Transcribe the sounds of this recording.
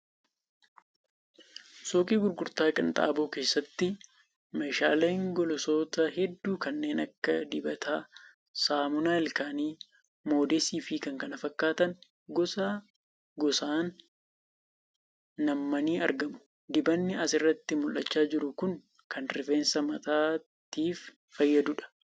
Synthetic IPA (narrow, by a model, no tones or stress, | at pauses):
soːkʼiːɡʊɾɡʊɾt̪aːkʼɪnt̪ʼa̰ːboːke̞ːsːɐt̪ːɪ | mɐjʃa̰ːleːŋɡɔlɔso̞ːt̪ɐɦɛd̪ːuːkɐnːe̞ːnʔɐ̰kːɐd̪ɪbɐt̪ʰaː | saːmʊnaːɛlkaːniː | mo̞ːd̪esiːfikɐŋkɐnɐfɐkːaːt̪ɐn | ɡɔsa | ɡɔsaːn | ɐmːɐniːɐ̰ɾɡɐmʊ̥ | d̪ɪbɐnːɪɐsɪrːɐt̪ːɪmʊlʔɐt͡ʃːaːd͡ʒɪɾʊkʊn | kʰɐnɾɪfe̞ːnsɐmɐt̪aː | t̪iːf | fɐjːɐd̪ʊᶑɐ̥